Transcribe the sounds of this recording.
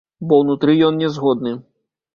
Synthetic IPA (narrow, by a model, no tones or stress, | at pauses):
bɔwnut̪ɾɨjɔnnʲɛzɣɔd̪nɨ